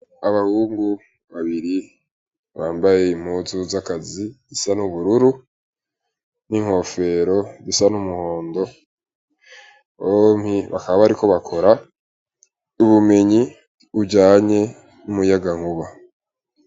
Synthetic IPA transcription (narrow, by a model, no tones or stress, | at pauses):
aβahuːŋɡu | βaβiɾi | βaːmbaje̞im̥huzuzakazizisanuβuɾuɾu | niŋ̥ho̞fe̞ɾo̞zisanumuho̞ːndo̞ | βomhiβa̰kaβaβaɾiko̞βakʰo̞ɾa | uβume̞ɲi | uɟaːɲe̞ | numujaɡaŋuβa